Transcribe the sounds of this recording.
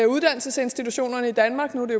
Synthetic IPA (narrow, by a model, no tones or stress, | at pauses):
uð̞ˠd̥æn̰l̩səse̝nsd̥it͡sʰuɕo̝̰ːnɐnəid̥ænmɑ̈ːɡ̥nud̥e̝jo